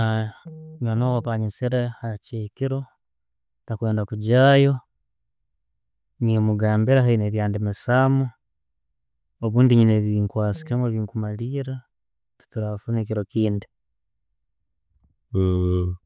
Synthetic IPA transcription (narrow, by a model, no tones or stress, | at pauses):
aɲanowopaɲisiɾehacekiɾo̞ | takweːndakuɟaːjo̞ | ɲimuɡaːmbiɾaɦaineβjaːndimisamo | oβuːndiɲineβiŋkwaːsi̥kemweβiːŋkumaliːɾa | tu̥tuɾafunekiɾokiːndi